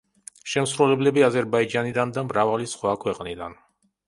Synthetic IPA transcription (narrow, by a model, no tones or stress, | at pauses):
ʃɛmsɾulɛblɛbiazɛɾbaid͡ʒanid̪and̪amɾavalisχwakʰwɛqʼnid̪an